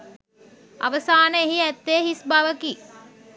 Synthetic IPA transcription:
a̰ʋəsaːnəeɦiæt̪ːeɦisbaʋəki

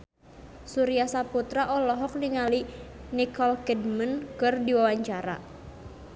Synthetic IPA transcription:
suɾiasaput̪ɾaʔɔlɔɦɔk̚niŋalinikɔlkɛdmənkɨrdiwawaɲt͡ʃaɾa̰

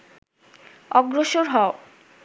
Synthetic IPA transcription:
ɔɡɾoʃoɾɦɔo

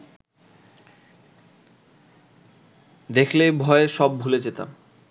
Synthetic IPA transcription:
d̪ekʰlebʱɔeeʃɔb̚bʱuled͡ʑet̪a̰m

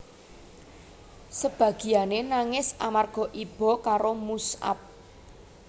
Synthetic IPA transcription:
səb̥ä̤ɡ̥i̤janenaŋɪsamarɡ̥ɔ̤ʔib̥ɔ̤kaɾomusa̰p̚

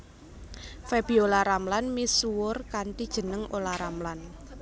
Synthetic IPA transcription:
feb̥i̤olaɾamlanmisuʊrkant̪id̥ʒ̥ə̤nəŋolaɾamlan

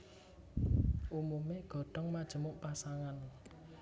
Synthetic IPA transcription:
ʔumumeɡ̥ɔ̤ɖ̥ɔ̤ŋmad̥ʒ̥ə̤mʊʔpasaŋan

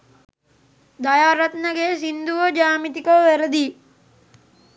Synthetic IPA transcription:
d̪ɐjaːɾɐt̪nəɡeːsind̪uʋəd͡ʒaːmit̪ikəʋʋeɾəd̪i

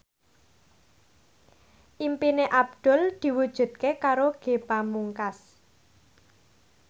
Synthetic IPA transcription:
ʔimpineʔab̚d̪̥ʊ̤ld̪̥i̤wud̥ʒ̥ṳt̪̚kekaɾoɡ̥e̤bamuŋkas

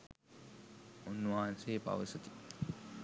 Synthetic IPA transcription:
unːuʋaːnseːpa̰ʋəsət̪i̥

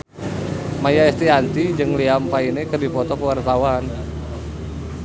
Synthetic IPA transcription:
majaɛst̪iant̪id͡ʒɨŋliampainɛkərdipɔt̪ɔkəwart̪awan

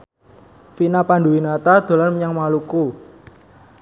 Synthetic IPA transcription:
finapanɖuwinat̪ad̪̥o̤lanməɲaŋmaluku

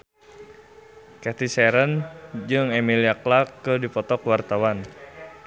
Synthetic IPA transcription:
kɛt̪isɛɾənd͡ʒɨŋɛmiliaklakːədipɔt̪ɔkwart̪awan

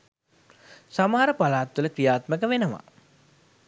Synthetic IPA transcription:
samaɦaɾəpalaːt̪ʋuləkɾijaːt̪məkəʋenəʋa̰

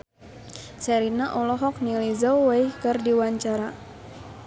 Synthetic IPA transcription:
sɛɾinaʔɔlɔɦɔk̚nilizawaihkərdiwaɲt͡ʃaɾa

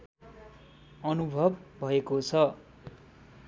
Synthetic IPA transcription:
ʌnubʱʌbːʱʌekot͡sʰʌ

